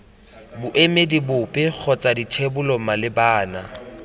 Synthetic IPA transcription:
bʊʔemedibʊpʼɪk͡xʰɔt͡sʼaditʰebʊlɔmalɪbaːna

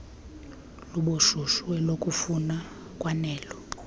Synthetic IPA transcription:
luɓoʃuʃuɛlokʼufuna | kʼwanɛːlɔ

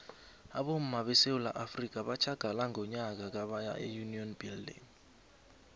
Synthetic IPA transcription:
aɓom̩maɓɛsewula̰ʔafrik̬ʼaɓat͡ʃʰaɡ̥ʱalaŋʱɔɲak̬ak̬aɓaja̰ʔɛ̰juniɔnb̥ildḭŋ

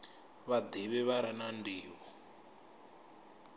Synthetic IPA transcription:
βad̪iβɛβaɾanandiːβɔ

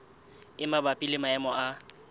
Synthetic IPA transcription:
ɪmabapʼilɪmaɛmɔa

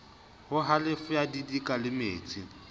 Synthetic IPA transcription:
hʊɦalɪfʊjadidikʼalɪmḛːt͡sʼi

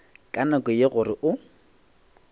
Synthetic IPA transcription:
kʼanakʼɔjeɣʊrɪʔʊ

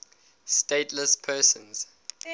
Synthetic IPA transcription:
steɪtʰləspʰɜːsə̃nz̥

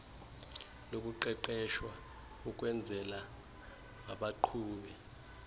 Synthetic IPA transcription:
lok̬ʼuǃɛǃɛʃwa | uk̬ʼwɛnd͡zʱɛla | ŋaɓaǃʰuːɓɛ

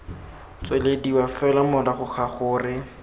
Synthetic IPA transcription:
t͡swelediwafɛlamɔdaχʊχaχʊːrɪ

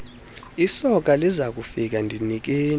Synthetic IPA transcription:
isɔk̬ʼalizak̬ʼufik̬andʱinik̬eːn

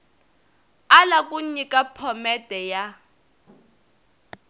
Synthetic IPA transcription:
alakʼuɲikʼapʰɔmɛtʼɛja

